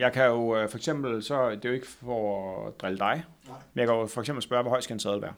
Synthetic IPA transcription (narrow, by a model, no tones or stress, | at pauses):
jɑ̈ɪkʰæjo̝fɒ̽eɡ̥sem̰b̥l̩sɒ̽d̥e̝jo̝e̝ɡ̥ə̥fɒd̥ʁɛləd̥ɑ̈ɪ | menjɑ̈kʰæjo̝fɒ̽eɡsem̰bl̩sb̥ɶːɐʋɒɒ̽ɪ̰sɡ̥ædensɛːðˠl̩ˠʋæːɐ